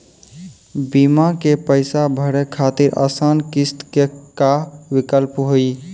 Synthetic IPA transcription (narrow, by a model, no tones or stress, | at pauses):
bimakepəɪsabʱəɾekʰat̪iɾʔa̰sankist̪kekawikəlpɦoi